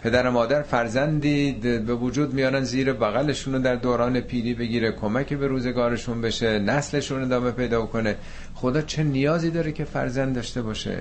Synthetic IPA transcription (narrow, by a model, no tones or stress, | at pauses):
pʰe̞d̪æɾemɒːd̪æɾfæɾzænd̪iːbe̞vod͡ʒuːd̪mijɒːɾænziːɾebæɣæle̞ʃuːnod̪æɾd̪oːɾɒːne̞pʰiːɾiːbe̞ɡiːɾekʰo̞mæcʰebe̞ɾuːze̞ɡɒːɾe̞ʃunbe̞ʃenæsle̞ʃune̞d̪ɒːme̞pʰe̞jd̪ɒːbokʰo̞ne̞ | xo̞d̪ɒːt͡ʃʰe̞nijɒːziːd̪ɒːɾecʲʰe̞fæ̰ɾzænd̪ːɒːʃt̪e̞bɒːʃḛ